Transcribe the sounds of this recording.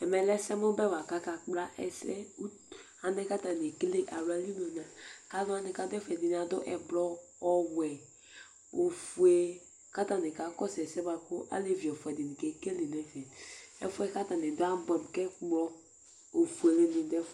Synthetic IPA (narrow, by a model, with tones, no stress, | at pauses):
ɛ˨mɛ˨lɛ˦sɛ˦mo˦bɛ˦˨wa˨ka˦ka˨k͡pla˦ʔɛ˨sɛ̰˦u˦ | a˨nɛ˦ka˦ta˨n˨e˨kle˦ʔa˨ɾa˨˦li˦no˨na˨ka˦nʊ˦a˦nɪ˨ka˨˦dɛ˦fɛ˨di˨n˨a˨dʊ˦ʔɛ˨blɔ˦ | ɔ˦wɛ˨ | o˨fu˨e˨ | ka˦ta˨nɪ˨ka˨˦kɔ˦sɛ˨sɛ˦ba˨ko˦ʔa̰˦le˨vi˨ɔ˨fu˨ɛ˨dɪ˨ni˨kɛ˨ke˦lɪ˨nɛ˨˦sɛ˨ɛ̰˦fu˦ɛ˦ka˦ta˨nɪ˨dʊ˦a˦bɔ˨m˨kɛ˦k͡pɔ˦ | o˨fu˨e˨le˨nɪ˨dɛ˦f